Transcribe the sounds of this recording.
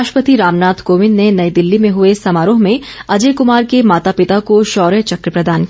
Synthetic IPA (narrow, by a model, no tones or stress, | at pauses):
ʃpət̪iɾaːmnaːt̪ʰkoːʋɪnːenɐid̪ɪlːimẽɦʊesɐmaːɾõɦmẽɐd͡ʒekʊmaːɾkemaːt̪apɪt̪akoʃɔːɾjət͡ʃɐkɾəpɾɐd̪aːnki